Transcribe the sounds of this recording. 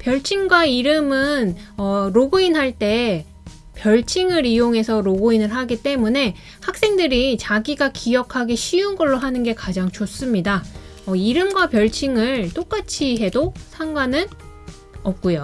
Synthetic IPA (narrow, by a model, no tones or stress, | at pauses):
pjʌɭt͡ɕʰinɡwaiɾɯmɯnʌɾoɡoinɦaɭt͈e̞ | pjʌɭt͡ɕʰiŋɯɾijoŋe̞sʰʌɾoɡoinɯɭɦaɡit͈e̞mune̞ | hak̚s͈e̞ŋdɯɾit͡ɕaɡiɡakʰijʌkʰaɡe̞ɕʰiunɡʌɭːoɦanɯnɡe̞kad͡ʑaŋt͡ɕos͈ɯmɲidaʌiɾɯmɡwapjʌɭt͡ɕʰiŋɯɭt͈ok͈at͡ɕʰiɦe̞dosʰaŋɡwanɯn | ʌp̚k͈ujo